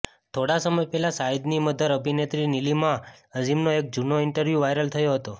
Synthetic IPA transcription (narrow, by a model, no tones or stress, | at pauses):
t̪ʰoɽasəməjpɛɦlasaid̪niməd̪ʱəɾəbʱinet̪ɾinilimãəd͡ʒimnoek̚d͡ʒunoɪɳʈəɾʋjuʋajɾəlt̪ʰəjoɦət̪o